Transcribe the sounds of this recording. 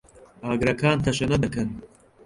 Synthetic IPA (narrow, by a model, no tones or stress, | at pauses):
aːɡɾɐkʰaːnt̪ʰɐʃɐnɐd̪ɨkɐn